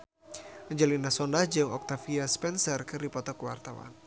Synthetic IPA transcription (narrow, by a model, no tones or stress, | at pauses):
d͡ʒəlinasɔndahd͡ʒɨŋɔk̚t̪afiaspɛnsərkɨrdipɔt̪ɔkwa̰rt̪awa̰n